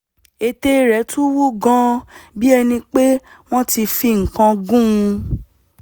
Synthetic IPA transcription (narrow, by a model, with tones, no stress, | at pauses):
e˨te˧ɾɛ˨˦tũ˦wu˦ɡã˦bi˦ɛ˧nĩ˧k͡pe˦ | w̃ɔ̃˦ti˧fi˧ŋ̩˨kã˧ɡũ˦˧